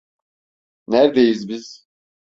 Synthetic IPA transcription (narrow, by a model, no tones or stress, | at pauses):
næɾd̪ejizbiz̥